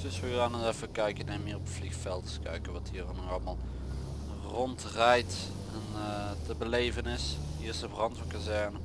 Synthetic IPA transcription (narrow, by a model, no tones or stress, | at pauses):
d̥ɵsʋəɡraːnəɛfəkœɥkənɛnmɪːrɔpflixfɛlˠtə̥skœ̰ɥkəʋɑtɦiːrənɔxɑlˠmalˠ | rɔntrɛjt | ɛntəbəlejvənɪshiːsəbrɑntʋəkazɛɹnə